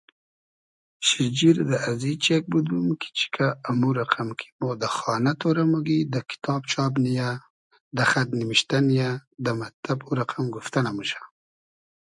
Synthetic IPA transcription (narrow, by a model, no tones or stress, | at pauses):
ʃid͡ʒiɾd̪əazit͡ʃek̚bud̪umki̥t͡ʃi̥kʰaːmuɾaqʰamkʰi̥mod̪əxɑnat̪oɾamuɡid̪əkɪ̥t̪ʰɑb̚t͡ʃɑbnija | d̪əxat̪nimiʃt̪anijad̪əmat̪abuɾaqamɡuft̪anamuʃḁ